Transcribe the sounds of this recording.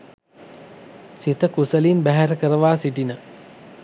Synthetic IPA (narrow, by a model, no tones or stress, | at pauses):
sit̪əkusəlinbæɦæɾəkəɾəʋaːsiʈinə